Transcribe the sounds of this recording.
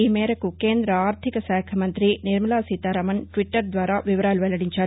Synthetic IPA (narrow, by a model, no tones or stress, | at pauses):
imeːɾɐkːukːeːnd̪ɾɐaːɾt̪ʰɪkɐsaːkʰɐmɐnd̪ɾinɪɾmɐlaːsit̪ːaːɾɐmɐnʈʋɪʈːɐɾd̪ʋaːɾaːʋɪʋɐɾaːlʋɐlːɐɽɪɲt͡ʃaː